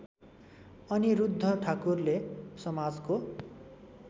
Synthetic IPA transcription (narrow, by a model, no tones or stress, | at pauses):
ʌniɾud̪ʱːʌʈʰakurlesʌmad͡zko